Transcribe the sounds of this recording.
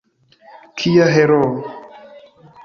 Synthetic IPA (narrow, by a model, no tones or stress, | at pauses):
kʰijaɦɛɾɔ